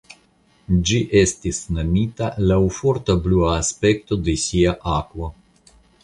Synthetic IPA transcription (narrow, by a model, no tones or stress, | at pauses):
d͡ʒiʔe̞st̪isnamit̪alawfo̞ɾt̪abluaːspe̞kt̪o̞d̪esiaʔakvo